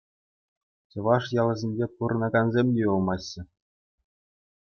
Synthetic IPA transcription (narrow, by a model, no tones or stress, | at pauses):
t͡ɕɤ̆ʋɑʂjɑlˠɤ̆zʲenʲd͡ʑʲepuɾɤ̆nɑɡɑnzʲemʲdʲeulˠmɑɕːɘ̆